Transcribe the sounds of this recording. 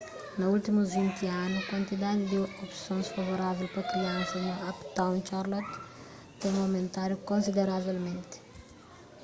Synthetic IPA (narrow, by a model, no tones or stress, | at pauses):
nɐult̪imuzvĩnt̪ianʊkwɐ̃nt̪id̪ad̪ɪd̪ɪopsõnsfɐvoɾavɛlpɐkɾiãsɐnoapt̪ãw̃nt͡ʃaɾlot̪ː | ẽŋũɐwmẽnt̪aɾjukõnsid̪eɾavelmẽnt̪ɪ̥